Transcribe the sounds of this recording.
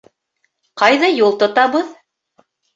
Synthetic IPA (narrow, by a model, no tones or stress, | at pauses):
qɑjðɑjulˠt̪ŏt̪ɑβɤð